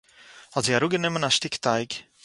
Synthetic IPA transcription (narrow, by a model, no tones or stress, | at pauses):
hɔtziaɾuɡənɪmənaʃtɪktaɪk